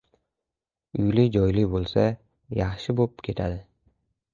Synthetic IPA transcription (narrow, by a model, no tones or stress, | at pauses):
ʊjlɪd͡ʒɒjlɪbolˠsa | jɑχʃɪbop̚kʲʰe̞t̪ʰad̪ɪ